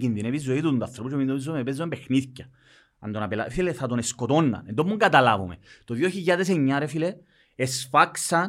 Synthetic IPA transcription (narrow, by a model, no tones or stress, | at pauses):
kinðinevizːoit̪uut̪uɐθɾoput͡ʃemind̪oezːomeepezːompexniðcɐ | ɐ̰nd̪onapela̰fileθɐt̪oneskot̪o̞nːɐ̰nend̪omːuŋɡɐt̪ɐlavumḛt̪oðjoçiʎːaðes̬eɲːaɾefile | esfaksɐn